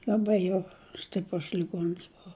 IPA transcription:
lʲɐˈbɐɪ jɛʊ ˈsʲtʲɪprʊs lʲɪˈɡuɔns ˈboːʋɐ

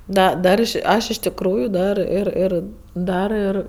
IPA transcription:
ˈdɐ ˈdɐr ɐʃ ˈɐʃ ɪʃ tʲɪkˈruːjʊ ˈdɐr ˈɪr ˈɪr ˈdɐr ɪr

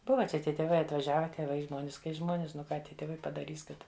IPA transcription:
ˈbʊʋɐ ˈt͡ʃʲɛ ˈtʲiɛ tʲeːˈʋɐɪ ɐtʋɐˈʒʲæːʋʲɛ tʲeːˈʋɐɪ ˈʒmoːnʲɪs kɐɪ ˈʒmoːnʲɪs nʊ ˈkɑː ˈtʲiɛ tʲeːˈʋɐɪ pɐdɐˈrʲiːs ˈkɐt

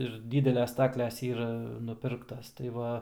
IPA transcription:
ɪr ˈdʲiːdʲɛlʲɛs ˈstɑːklʲɛs ˈiːrɐ nʊˈpʲɪrktɐs tɐɪ ˈʋɐ

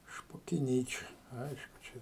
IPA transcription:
ʃpoːkʲɪˈnʲiːt͡ʃʲɛ ˈɐɪʃkʊ t͡ʃʲɛ

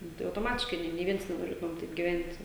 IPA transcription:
ˈnʊ tɐɪ ɐʊtoːˈmɑːtʲɪʃkɐɪ ˈnʲeː nʲeː ˈʋʲiɛns nʲɛnoːˈrʲeːtʊmʲɛm ˈtɐɪp ɡʲɪˈʋʲɛnʲtʲ

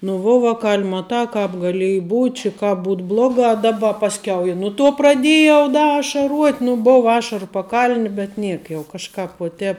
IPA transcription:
nʊ ˈʋuɔ ˈʋɑːkɐlʲ ˈmɑːtɑː ˈkɑːp ɡɐˈlʲiɛjɪ ˈbuːtʲ t͡ʃʲɪ ˈkɑːp ˈbuːt ˈblˠoːɡɑː ˈdɑːbɐ pɐsʲˈkʲɛʊ ɪ ˈnʊ ˌtuɔ prɐˈdʲeːjɛʊ ˈdɐ ɐʃɐˈruɔtʲ nʊ ˈboːw ˈɑːʃɐrʊ pɐˈkɐlʲnʲɪ bʲɛt ˈnʲiɛk jɛʊ kɐʃˈkɑːp uɔ ˈtʲɛːp

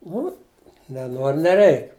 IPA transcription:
ˈnʊ nʲɛˈnoːr nʲɛˈrʲɛɪk

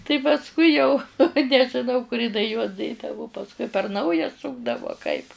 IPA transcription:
tɐɪ pɐsˈkʊɪ jɛʊ nʲɛʒʲɪˈnɐʊ kʊr jɪˈnɐɪ juɔs ˈdʲeːdɐʋʊ pɐsˈkʊɪ pʲɛr ˈnɐʊjɛ ˈsʊɡdɐʋʊ ɐ kɐɪp

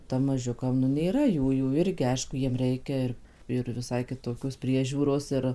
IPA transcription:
ˈtɐm mɐˈʒʲʊkɐm nʊ nʲeːˈrɐ ˈjuːjuː ˈɪrʲɡʲɪ ˈɐɪʃkʊ ˈjiɛm ˈrʲɛɪkʲɛ ɪr ɪr ʋʲɪˈsɐɪ kʲɪˈtoːkʲoːs ˈpʲrʲiɛʒʲuːroːs ˈɪr

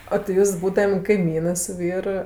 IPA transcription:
oː tʲɪ ˈjuːs ˈbuːdɐmʲ kɐɪˈmʲiːnɜ sʊ ˈʋʲiːr

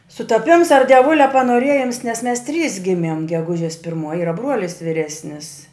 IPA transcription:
sʊtɐˈpʲɪms ɐr dʲiɛˈʋʊlʲɛ pɐnoːˈrʲeːjɪms nʲɛs mʲɛs tʲrʲiːs ˈɡʲɪmʲiɛm ɡʲɛˈɡʊʒʲeːs pʲɪrˈmuɔj ˈiːrɐ ˈbruɔlʲɪs ʋʲɪˈrʲæːsʲnʲɪs

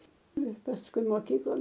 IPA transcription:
ˈnʊ ɪr pɐsˈkʊɪ moːˈkʲiːklˠoːn

